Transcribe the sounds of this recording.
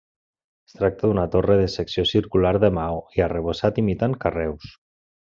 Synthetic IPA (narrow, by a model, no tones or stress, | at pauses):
est̪ɾak̚t̪ad̪unat̪oreðeseksijosiɾkulaɾðemawiareβ̞osat̪imit̪aŋkarɛws